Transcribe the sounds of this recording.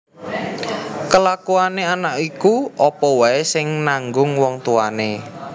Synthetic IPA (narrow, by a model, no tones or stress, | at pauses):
kəlakuaneanaʔikuʔɔpɔwaesɪŋnaŋɡʊŋwɔŋt̪uane